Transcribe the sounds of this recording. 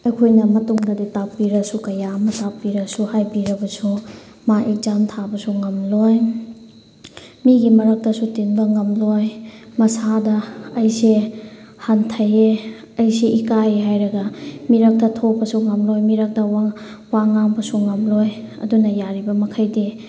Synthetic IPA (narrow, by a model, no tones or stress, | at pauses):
ɐjkʰojnɐmɐtuŋdɐditapːiɾɐsukɐjamɐtapːiɾɐsuhajbiɾɐbɐsu | maʔek̚zamtʰabɐsuŋɐmloj | miɡimɐɾɐk̚tɐsutinbɐŋɐmlojmɐsadɐɐjse | hantʰɐje | ɐjseʔikajeɦajɾɐɡɐmiɾak̚tɐtʰopɐsuŋɐmlojmiɾak̚tɐwaŋaŋbɐsuŋɐmlojɐ̰dunɐjaɾibɐmɐkʰɐjdi